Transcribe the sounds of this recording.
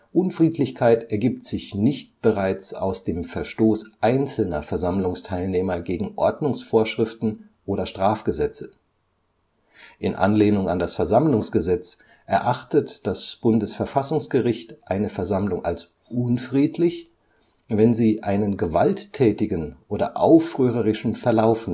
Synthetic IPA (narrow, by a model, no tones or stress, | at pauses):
ʔʊnfʁ̥iːtlɪçkʰaɪtɛɐɡiːp̚tz̥ɪçnɪçt̚b̥əʁaɪt͡sa̰ʊsd̥eːmfɛɐʃtoːsʔaɪnt͡sl̩nɐfɛɐzamlʊŋstʰaɪlneːmɐɡeːɡŋ̩ʔɔɐdnʊŋsfoːɐʃʁ̥ɪftn̩ | ʔoːɾɐʃtʁ̥aːfɡ̥əzɛt͡sə | ʔɪnʔa̰nleːnʊŋa̰ndasfɛɐzamlʊŋsɡ̥əzɛt͡s | ʔɛɐʔaχtətd̥asb̥ʊndəsfɛɐfasʊŋsɡ̥əʁɪçtʔaɪnəfɛɐzamlʊŋa̰ls | ʔʊnfʁ̥iːtlɪç | vɛnziːʔaɪnənɡəvaltʰːɛːtɪɡnʔoːdɐ̰ʔaʊfʁ̥øːʁəʁɪʃn̩fɛɐlaʊfn